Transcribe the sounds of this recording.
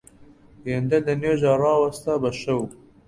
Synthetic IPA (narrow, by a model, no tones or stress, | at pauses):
jend̪ɐd̪ɐneːʒɑrɑːwɐst̪ɐbɐʃɐw